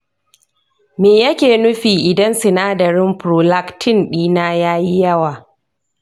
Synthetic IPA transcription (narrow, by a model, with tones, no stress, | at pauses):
meː˨jɐ˦kʲeː˨nʊ˦ɸiː˨ʔɪ˨dɐ˦nsɪ˨naː˦dɐ˨ɾɪ˦mpɾoː˨la˦ktʰɪ˦˨nɗiː˦naː˦jaː˦ji˦jɐ˦waː˨